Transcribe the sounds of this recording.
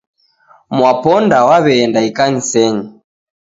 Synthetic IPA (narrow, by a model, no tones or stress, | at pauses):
mwapɔndawaβɛːndaikaɲisɛɲi